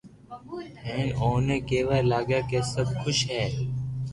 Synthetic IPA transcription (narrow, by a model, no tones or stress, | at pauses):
ɦẽːnoːneːkeːʋeːlaːɡeːkeːsəb̚kʰʊʃɦɛː